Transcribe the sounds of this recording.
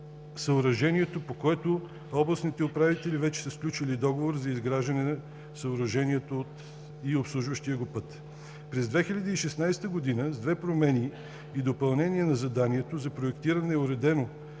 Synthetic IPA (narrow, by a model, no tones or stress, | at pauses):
sɐʊɾɐʒɛnʲiɛt̪opokoɛt̪o | ɔblˠɐsnit̪ɛopɾavit̪ɛlivɛt͡ʃɛ̥sɐsklʲut͡ʃilid̪ɔɡovoɾzɐizɡɾaʒd̪ɐnɛnɐ | sɐʊɾɐʒɛniɛt̪ot̪ | iopslˠuʒvəʃt̪iəɡopɤt̪ | pɾɛzd̪vɛxiʎʲɐd̪iːʃɛsnajst̪əɡod̪inəzd̪vɛpɾomɛni | iːd̪opɐlˠnɛnʲiɛnɐzɐd̪aniɛt̪ozɐpɾoɛkt̪iɾɐnɛʊɾɛd̪ɛno